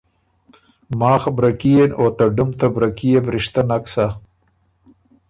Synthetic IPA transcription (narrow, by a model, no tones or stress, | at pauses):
maːxbɾakijenʔoːt̪aɖumt̪abɾɐkijebɾiʂt̪anaksa